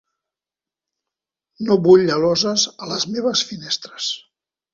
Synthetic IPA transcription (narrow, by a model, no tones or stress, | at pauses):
noβuʎʎəlɔzəzələzmeβəsfinest̪ɾəs